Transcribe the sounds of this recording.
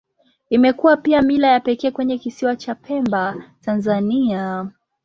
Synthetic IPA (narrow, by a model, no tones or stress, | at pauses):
imɛkuwapiamilajapɛkɛːkwɛɲɛkisiwat͡ʃapʰɛmbatanzania